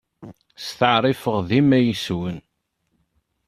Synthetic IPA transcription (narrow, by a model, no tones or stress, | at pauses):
st̪əʕɾˤifəʁðimæjəswən